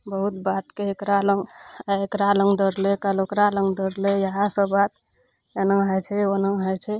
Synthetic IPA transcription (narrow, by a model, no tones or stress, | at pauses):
bəɦut̪bat̪keekɾaləŋɡaekɾaləŋɡd̪əɾlekalokɾalə̃ŋɡd̪əɾlejəɦasəbat̪ | enə̃ɦət͡ʃʰɛonə̃ɦəjt͡ʃʰɛ